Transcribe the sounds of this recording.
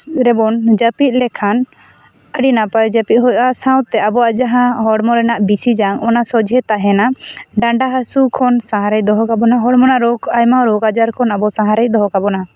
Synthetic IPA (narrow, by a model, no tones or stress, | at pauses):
ɾɛbɔnd͡ʒəpit̪̚ˀlɛkʰan | əɖinapajd͡ʒəpit̪̚ˀɦɔjʔasãw̃t̪ɛabɔaʔd͡ʒaɦãɦɔɽmɔɾɛnaʔbisid͡ʒaŋɔnasɔd͡ʒʱɛt̪aɦɛnaɖaɳɖaɦasukʰɔnsãɦaɾɛc̚d̪ɔɦɔkabɔnaɦɔɽmɔnaʔɾɔɡajmaɾɔɡad͡ʒaɾkʰɔnabɔsãɦaɾɛc̚d̪ɔɦɔkabɔna